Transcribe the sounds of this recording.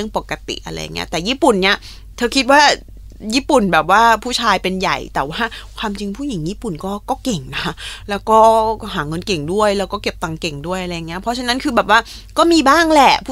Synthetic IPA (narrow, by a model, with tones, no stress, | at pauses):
ɯ˥˩əŋpo˨˩kːa˧t̪ḭ˨˩ʔa̰˧ɾa̰˧jːa˨˩ŋːi˦˥ɐt̪ɛː˨˩jiː˥˩pu˨˩nːi˦˥˩ɐ | t̪ʰɤː˧kʰi˦˥t̪̚waː˥˩ | jiː˥˩pu˨˩nbɛː˨˩p̚waː˥˩pʰuː˥˩t͡ɕʰaː˧jpe˧nja̰˨˩jt̪ɛː˨˩waː˥˩kʰwaː˧mt͡ɕi˧ŋpʰuː˥˩ji˩˦ŋjiː˥˩pu˨˩nkɔː˥˩kɔː˥˩ke˨˩ŋna˦˥kʰa˦˥lɛː˦˥wkɔː˥˩ɦaː˩˦ŋɤ˧nke˨˩ŋdu˥˩əjlɛː˦˥wkɔː˥˩ke˨˩p̚t̪a˨˧˩ŋke˨˩ŋdu˥˩əjʔa˧ɾa˧jːa˨˩ŋːi˦˥ɐ˧pʰɔ˦˥t͡ɕʰa˧˥na˦˥nkʰɯː˧bɛː˨˩p̚waː˥˩ | kɔː˥˩miː˧baː˥˩ŋlɛ˨˩pʰː